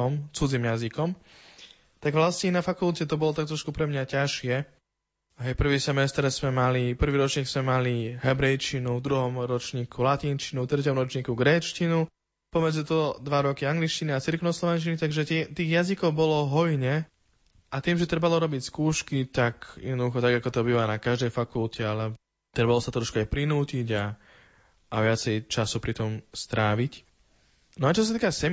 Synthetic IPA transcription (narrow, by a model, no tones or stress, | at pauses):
ɔmt͡sud͡zimjazikɔm | t̪aɡʋlascɛnafakulcɛt̪ɔbɔlɔt̪ak̚t̪ɾɔʃkupɾɛmɲacaʃɪɛ | ɦɛjpr̩ʋiːsɛmɛst̪ɾz̥mɛmalipr̩ʋiːɾɔt͡ʃɲiːɡz̥mɛmaliɦɛbɾɛjt͡ʃinud̪ɾuɦɔmɾɔt͡ʃɲiːkʰulatint͡ʃinut̪ɾɛcɔmɾɔt͡ʃɲikuɡɾɛːt͡ʃcinu | pɔmɛd͡zit̪ɔd̪ʋaɾɔkiaŋɡlit͡ʃciniat͡siɾknɔslɔʋɛnt͡ʃinit̪aɡʒɛt̪ɛt̪iːɣjazikɔʊbɔlɔɦɔjɲɛ | ʔat̪iːmʒɛt̪ɾɛbalɔɾɔbicskuːʃkit̪akjɛ̰d̪nɔd̪uxɔt̪aɡakɔt̪ɔbiːʋanakaʒd̪ɛjfakulcɛalɛ | t̪ɾɛbalɔsat̪ɾɔʃkuajpɾinuːciɟa | ʔːʋɪat͡sɛjt͡ʃasupɾit̪ɔmst̪ɾaːʋic | nɔat͡ʃɔs̬at̪iːkasɛm